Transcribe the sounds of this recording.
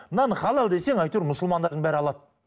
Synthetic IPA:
nɑnəχɑlˠɑlˠd̪e̞se̞ŋɑjt̪uɾmʊsəlˠmɑnd̪ɑɾd̪əŋbæɾɪɑlˠɑd̪

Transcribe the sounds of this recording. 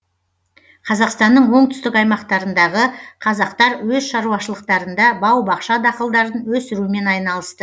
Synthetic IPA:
qʰɑzɑqst̪ɑnːəɴwo̞ɴt̪ʰʏ̥st̪ɪkɑjmɑqt̪ɑɾənd̪ɑʁəqʰɑzɑqt̪ɑɾwɵzʃɑɾuɑʃəlˠəq̚t̪ɑɾənd̪ɑbɑwbɑqʃɑd̪ɑqəlˠd̪ɑɾənwɵsɪɾuɪme̞nɑjnɑlˠəst̪ə

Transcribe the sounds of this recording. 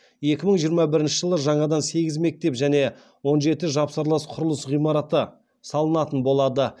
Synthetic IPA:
je̞kʲɪməɴʒijəɾmɑbɪɾɪnʃɪʒəlˠəʒɑɴɑd̪ɑnse̞ɡʲɪzme̞k̚t̪e̞pʒæne̞ | wo̞nʒe̞t̪ɪʒɑpsəɾlˠəsqʰʊɾʊlˠəsʁijmɑɾɑt̪ə | sɑlˠənɑt̪ənbo̞lˠɑd̪ə

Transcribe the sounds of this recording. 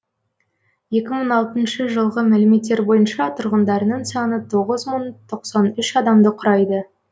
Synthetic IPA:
je̞kʲɪməɴɑlˠt̪ənʃəʒəlˠʁəmælɪme̞t̪ːeɾbo̞jənʃɑt̪ʰʊɾʁənd̪ɑɾənəɴsɑnət̪ʰo̞ʁəzməɴt̪ʰo̞qsɑnʏʃɑd̪ɑmd̪əqʰʊɾɑjd̪ə

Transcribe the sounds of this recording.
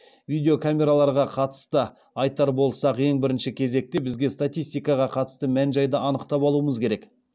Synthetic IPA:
vijd̪ʲe̞o̞kʰamʲe̞ɾalˠɑɾʁɑqʰɑt̪ə̥st̪ə | ɑjt̪ɑɾbo̞lˠsɑqje̞ŋbɪɾɪnʃɪkʲʰe̞ze̞k̚t̪e̞bɪzɡʲe̞st̪at̪ʲijst̪ijkɑʁɑqʰɑt̪ə̥st̪əmænʒɑjd̪əʔɑnəqt̪ɑpɑlˠuəməzkʲʰe̞ɾe̞k

